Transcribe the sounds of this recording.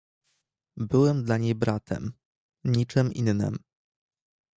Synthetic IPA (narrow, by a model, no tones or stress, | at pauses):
bɘwɛmd̪laɲejbɾat̪ʰɛ̰m | ɲit͡ʂɘminːɘ̰m